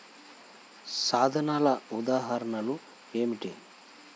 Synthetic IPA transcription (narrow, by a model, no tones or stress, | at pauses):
saːd̪ʱɐnaːlɐud̪aːɦɐɾɐɳɐlu | eːmiʈḭ